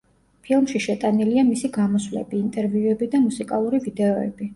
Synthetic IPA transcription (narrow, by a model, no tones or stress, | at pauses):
pʰilˠmʃiʃɛt̪ʼaniliamisiɡamɔsvlɛ̰biːnt̪ʼɛɾviuɛbid̪amusikʼalˠuɾivid̪ɛɔɛ̰bi